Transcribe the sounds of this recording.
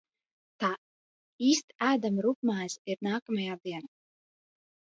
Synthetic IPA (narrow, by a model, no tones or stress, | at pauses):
t̪aː | iːst̪æːd̪amɾukmaːsiɾnaːkamajaːd̪iɛn